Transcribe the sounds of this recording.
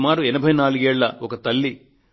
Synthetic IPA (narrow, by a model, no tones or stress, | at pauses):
maːɾuɛnɐbʱɐjnaːlɡeːɭlɐokɐt̪ɐlːi